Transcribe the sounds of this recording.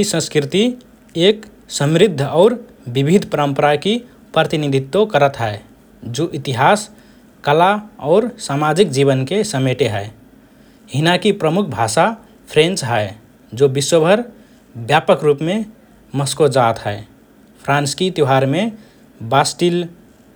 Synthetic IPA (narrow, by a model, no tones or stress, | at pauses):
isə̃skɾɪt̪i | ek | səmɾɪd̪ʱːɔːɾ | bibʱid̪ʱpəɾəmpəɾaki | pɾət̪inid̪ʱit̪ːokəɾət̪ɦɛe | d͡ʒoʔit̪iɦaːs | kəlaɔːɾsamad͡ʒik̚d͡ʒiβənkesəmeʈeɦɛe | ɦɪnakipɾəmukʰbʱaʃa | pʰɾẽnt͡ʃɦɛe | d͡ʒobiswəbʱəɾ | bjapəkɾupmẽ | məskod͡ʒat̪ɦɛe | pʰɾãnskit̪jɦaɾme | basʈil